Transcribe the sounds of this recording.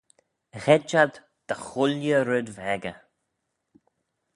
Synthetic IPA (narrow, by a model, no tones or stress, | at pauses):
ɣɛd͡ʒad̪ | d̪̥əxʊljəɾɪd̪vɛɡə